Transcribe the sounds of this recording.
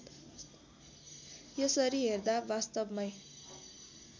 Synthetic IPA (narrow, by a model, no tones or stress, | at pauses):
jʌsʌɾiɦerd̪abast̪ʌbmʌj